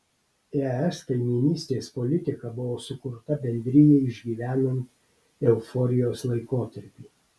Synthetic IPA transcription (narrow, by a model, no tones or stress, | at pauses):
ɛɛskɐɪmʲɪnʲiːsʲt̪ʲeːspɔlʲɪt̪ʲɪkɐbʊʋoːsʊkʊɾt̪ɐbʲɛnʲd̪ʲɾʲɪjɛɪʒʲɡʲiːʋʲæːnɐnʲt̪ʲ | ɛʊfɔɾʲɪjoːslˠɐɪkoːt̪ɐɾʲpʲiː